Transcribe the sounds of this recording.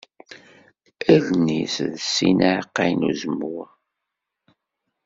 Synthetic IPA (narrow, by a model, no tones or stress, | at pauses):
ælnisðəsːinaʕqːajnṵzəmːu